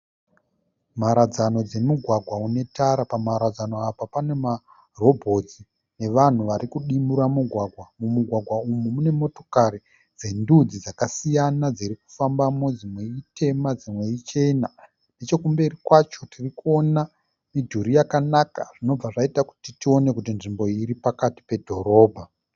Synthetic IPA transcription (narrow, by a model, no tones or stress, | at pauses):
maɾad͡zano̞d͡ze̞muɡʱwaɡʱwaune̞taɾapamaɾad͡zano̞apapane̞ma | ro̞bʱo̞d͡zi | ne̞ʋan̤uʋaɾikuɗimuɾamuɡʱwaɡʱwamumuɡʱwaɡʱwaumumune̞mo̞to̞̥kaɾi | d͡ze̞ndud͡zid͡zakasijanad͡ziɾiku̥fambamo̞d͡zimwe̞itʰe̞mad͡zimwe̞it͡ʃe̞na | net͡ʃo̞kumbe̞rikwat͡ʃo̞tirikuo̞na | midʱuɾijakanaka̰ʐ̥ino̞b͡vaʐaitaku̥titio̞ne̞kutinʐimbo̞iɾipakati̥pe̞dʱo̞ɾo̞ːbʱa